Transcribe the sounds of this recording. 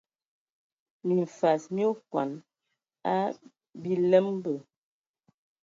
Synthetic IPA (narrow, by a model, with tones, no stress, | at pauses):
mi˨ɱ˨fa˨smjo˦kwa̰˨n | a˦ | bi˦lɛ˦mbə˨